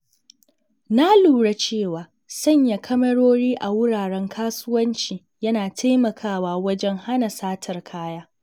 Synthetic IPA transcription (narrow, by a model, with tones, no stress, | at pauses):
na˦luː˨ɽa˦t͡ʃeː˦˨waː˨ | sɐ˦˨ɲja˨kʰɐ˦mɐ˦ɽoː˦ɽiː˦ʔa˨wʊ˦ɽaː˨ɽɛ˦ŋkʰaː˦sʊ˦wɐ˦nt͡ʃiː˨ | jɐ˦naː˨tʰa˦jmɐ˨kʰaː˦˨waː˨wɐ˦d͡ʒɛ˦ŋha˦na˨saː˦tʰɐ˨rkʰaː˦jaː˦